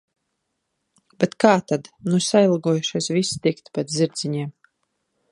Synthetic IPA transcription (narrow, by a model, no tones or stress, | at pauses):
bɛt̪kaːt̪ad̪nusajilˠɡɔjuʃiɛsvist̪ikt̪pɛt̪zʲiɾd̪ziɲiɛm